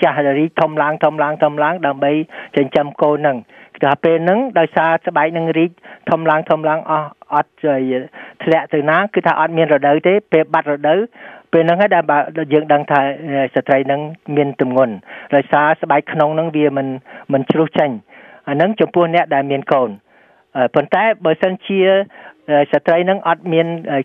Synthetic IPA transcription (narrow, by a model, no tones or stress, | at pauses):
t͡ɕahriːk̚t̪ʰomlaəŋt̪ʰomlaəŋt̪ʰomlaəŋɗaəmɓəjt͡ɕəɲt͡ɕəmkoːnːɨŋt̪ʰːaːpeːlnɨŋɗaɔjsaːsə̆ɓaɛk̚nɨŋriːk̚t̪ʰomlaəŋt̪ʰomlaəŋʔɑhʔɑt̪̚əjt̪ʰlɛ̆əʔt̪ɨwnaːkɨːt̪ʰa̰ːʔɑt̪̚miənrɔɗəwt̪eːpeːlɓat̪̚rɔɗəwpeːlnɨŋɦaːjɗaɛlɓaːjəːŋɗəŋt̪ʰaːəjsat̪rəjnɨŋmiənt̪umŋʊ̆ənɗaɔjsaːsə̆ɓaɛkkʰnoŋnɨŋʋiəmɨnmɨnt͡ɕruːht͡ɕəɲ | ʔanɨŋt͡ɕɑmpʊ̆əhnɛ̆əʔɗaɛlmiənkoːn | ʔəpont̪aɛɓaːsənt͡ɕiəʔəːjsat̪rəjnɨŋʔɑt̪̚miənʔə